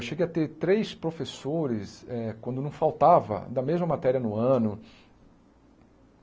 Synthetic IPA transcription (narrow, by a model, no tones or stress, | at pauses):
wʃeɡejɐt̪eɾt̪ɾejspɾofesoɾɪsɛkwɐ̃nd̪ʊnɐ̃w̃fawt̪avɐ̰d̪ɐmezmɐmat̪ɛɾiɐnʊɐ̃nʊ